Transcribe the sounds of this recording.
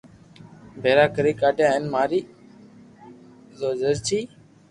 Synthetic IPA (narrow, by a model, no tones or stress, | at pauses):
bʱeːɾaːkəɾeːkaːʈjãːənmaːɾiː | zoːd͡ʒəzt͡ʃʰiː